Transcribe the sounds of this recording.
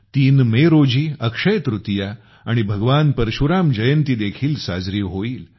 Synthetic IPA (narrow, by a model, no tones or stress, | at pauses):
t̪iːnmeɾod͡ʑiːəkʂəjt̪ɾut̪ja | aɽ̃ibʱəɡʋanpəɾɕuɾamd͡ʑəjənt̪iːd̪ekʰiːlsa̰d͡zɾiːʋɦoiːl